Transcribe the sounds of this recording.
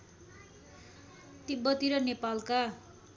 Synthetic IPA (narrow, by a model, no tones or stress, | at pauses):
t̪ibʌt̪iɾʌnepalka